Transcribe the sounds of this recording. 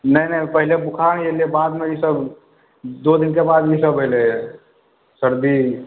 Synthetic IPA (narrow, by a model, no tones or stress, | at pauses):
nəɦinə̃ĩpəɦɪlebʊkʰañjeliebaːd̪mẽjisəb | d̪od̪ɪnkebaːd̪jisəbɦele | səɾd̪i